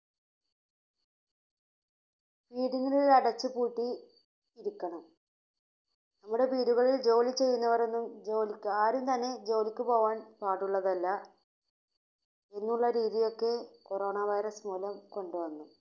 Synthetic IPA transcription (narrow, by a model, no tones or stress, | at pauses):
piːɽiŋːɐɭiɐɽɐt͡ɕːupuːʈːi | iɾukʲːɐɳɐm | nɐmːuɽe̞piːɽuɣɐɭild͡ʑo̞ːlit͡ɕe̞jːunːɐʋɐre̞nːumd͡ʑo̞ːlikʲːɨaːɾumt̪ɐnːe̞d͡ʑo̞ːlikʲːɨpo̞ːʋaːnpaːʈːuɭːɐðɐlːɐ | e̞nːuɭːɐɾiːðijo̞kːe̞ko̞ro̞ːɳɐʋɐjɾɐsmuːlɐmko̞ɳɖuʋɐnːu